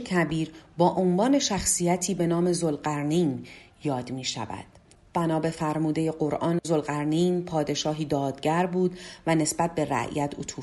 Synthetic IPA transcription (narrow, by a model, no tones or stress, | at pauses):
kʰæbiːɾbɒːʔonvɒːne̞ʃæxsijæt̪ʰiːbe̞nɒːme̞zolɢæɾnin | jɒːd̪miːʃæ̰væ̰d̪̥̚ | b̥ænɒːbe̞fæɾmuːd̪e̞je̞ɢoɾʔɒːnzo̞lɢæɾniːnpʰɒːd̪e̞ʃɒːɦiːd̪ɒːd̪̥ɟæɾbuːd̪væne̞sbæt̪̚be̞ɾæ̰ʔjæt̪ʰot̪ʰuːf